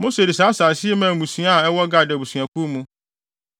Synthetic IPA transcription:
mõ˦se˨di˨saː˨˦saː˨sɪ˦ɛ˦mã˨mũ˨sĩ˨˦a˦˨ɛ˦wɔ˦ɡa˨dɛ˨bu˨sɥã˨kʰu˦mũ˦

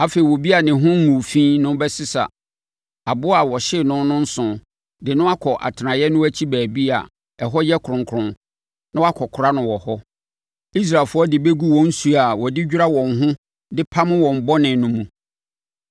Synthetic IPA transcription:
a˦fe˨i˨wɔ˨bi˦a˨nɪ̃˨ɦʊ̃˦ŋ˦ŋũ˨fĩ˦nʊ̃˦bɛ˦sɪ˦sa̰˨ | a˨bʊ˦a˨wɔ˨ɕɪ˦˨nʊ̃˦nʊ̃˦n̩˦sʊ̃˨ | dɪ˨nʊ̃˦a˦kʰɔ˨ʔa̰˨tʰɪ˨nã˨jɛ˦nʊ̃˦æ˦t͡ɕʰi˦bæː˨bi˦a̰˨ | ɛ˨ɦɔ˦jɛ˦kʰʊ˨ɾʊ̃˨ŋkʰʊ˨ɾʊ̃˨n | nã˦wa˦kʰɔ˨kʰʊ˨ɾa˦nʊ̃˨wɔ˨hɔ˦ | i˦s̬ɾa˨fʊ˦ɔ˦dɪ˨be˦ɡu˦wɔ̃˨n̩˦su˦a˨wɔ˨dɪ˦d͡ʑᶣɾa˦wɔ̃˨ŋɦʊ̃˦ | dɪ˦pʰa˦mʊ̃˦wɔ̃˨m̩˨bɔ˦nɪ̃˨nʊ̃˦mũ˨

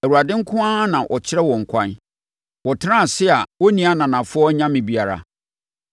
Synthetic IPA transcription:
æ˨wu˨ɾa˨dɪ̃˦ŋ̩˦kʰʊ̃˦ã˦nã˨ʔɔ˨t͡ɕʰɪ˦ɾɛ˦wɔ̃˨ŋ̩˨kʷʰã˦n | wɔ˨tʰɪ˦nã˦˨sɪ˦a˨wɔ˦nĩ˨˦a˦nã˨nã˨fʊ˦ɔ˦ɲã˦mɪ̃˨bi˨˦a˨ɾa̰˨

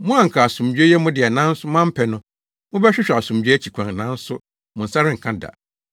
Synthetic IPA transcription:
mʊ̃˦a˦˨ŋ̩˨kʰa˨a˨sũ˨md͡ʒᶣe˦jɛ˦mʊ̃˦dɪ˨ɛ˨nã˦n̩˦sʊ˦mã˦m̩˦pʰɛ˨nʊ̃˦ | mʊ̃˦bɛ˦ɕᶣɪ˦ɕᶣɛ˨a˨sũ˨md͡ʑᶣæ˦t͡ɕʰi˨kʷʰã˨n˨nã˦n̩˦sʊ˦ | mʊ̃˨n̩˨sa˦ɾɪ˦ŋ̩˨kʰã˦da̰˨

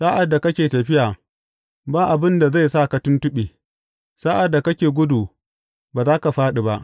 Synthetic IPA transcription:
sa˦ʔa˨dːa˨kɐ˦kʲeː˨tɐ˨ɸɪ˦jaː˨ | baː˦ʔa˨bɪ˦nda˨za˦˨jsa˦˨ka˦tʊ˦ntʊ˦ɓeː˨ | saː˦ʔa˨dːa˨kɐ˦kʲeː˨ɡʷʊ˦duː˨ | baː˨zaː˦ka˨ɸaː˦ɗi˨ba˦ʔ

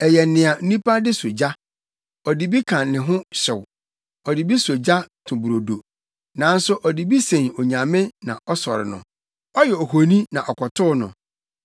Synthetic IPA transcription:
ɛ˨jɛ˨nɪ̃˨a˨n̩˦nũ˦pʰa˦dɪ˦so˨d͡ʑa˦ | ɔ˨di˦bi˦kʰã˨nɪ̃˨ɦʊ̃˦ɕɪ˨w | ɔ˨di˨bi˦so˨d͡ʑa˦tʰʊ̃˨bu˨ɾo˨do˨ | nã˨n̩˦sʊ˦ʔɔ˨di˨bi˦sẽ˨no˨ɲã˨mɪ̃˦nã̰˨ʔɔ˦sɔ̰˨ɾɪ̰˨nʊ̰̃˨ | ɔ˦jɛ˨ɔ˨ɦo˨nĩ˦nã˨ʔɔ˨kʰɔ˨tʰʊ˦nʊ̰̃˨

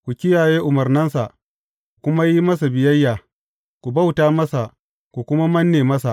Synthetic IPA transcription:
kʷu˨kʲɪ˦jaː˨jeː˦ʔʊ˨mɐ˨rnɐ˦nsa˨ʔ | kʷu˨kʷʊ˦ma˦ji˦mɐ˦sa˨bɪ˨jɐ˦jːaː˨ | kʷu˨ba˦wtaː˦mɐ˦sa˨ | kʷu˨kʷʊ˦ma˦mɐ˦nːeː˨mɐ˦sa˨ʔ

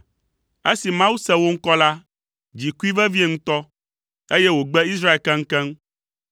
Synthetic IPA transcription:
e˦si˨mã˦wu˦sɛ˦wo˦ŋ̩˦kɔ˦la˦ | d͡ʑi˨ku˦i˦vɛ˦vi˦e˨ŋũ˦t̪ɔ˦ | e˦jɛ˦wo˨ɡ͡bɛ˦i˦sɾa˦e˨lkɛ̃˦ŋ̩˦kɛ̃˦ŋ

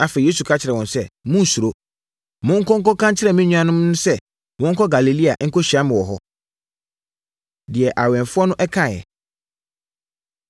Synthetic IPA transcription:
a˨fɛ˨e˦su˨kʰa˦t͡ɕʰɪ˨ɾɛ˨wɔ̃˨nsɛ˦mʊ̃˦n̩˨su˨ɾo˦ | mʊ̃˦ŋ̩˦kʰɔ̃˦ŋ̩˦kɔ˦kʰã˦ɲt͡ɕʰɪ˦ɾɛ˨mĩ˦ɲũ˦ã˨nʊ̃˦mnʊ̃˦sɛ˦ | wɔ̃˦ŋ̩˦kʰɔ˦ɡa˨li˨li˦a˨ʔŋ̩˦ko˦ɕi˨a˦mɪ̃˨wɔ˨ɦɔ˦ | dɪ˨ɛ˨ʔa˨wɛ̃˨n˨fʊ˦ɔ˦nʊ̃˦ʔɛ˦kʰã˦˨jɛ̰˨

